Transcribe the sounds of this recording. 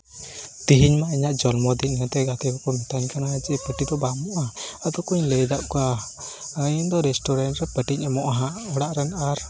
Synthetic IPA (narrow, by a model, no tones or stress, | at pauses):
t̪iɦiɲmaʔiɲaʔd͡ʒɔlmɔd̪iɲət̪ɛɡat̪ɛbɛkɔmit̪aɲkanad͡ʒiʔɛpəʈid̪ɔbamɔʔɦãat̪ɔkuɲləjd̪aʔkɔaəjnd̪ɔɾɛsʈɔɾanʈɾɛpəʈiɲamɔʔɦãɔɽaʔɾɛnaɾ